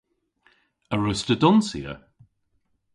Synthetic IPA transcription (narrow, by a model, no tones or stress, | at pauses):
əɹʉstədɔnsḭə̰